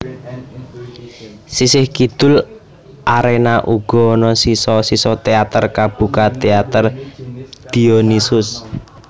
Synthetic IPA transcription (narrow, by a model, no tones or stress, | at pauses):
sisɪhkid̪̥ʊl | ʔaɾenaʔuɡ̥ɔ̤ːnɔsisɔsisɔt̪eat̪ərkab̥ṳkat̪eat̪ər | d̪̥ionisʊs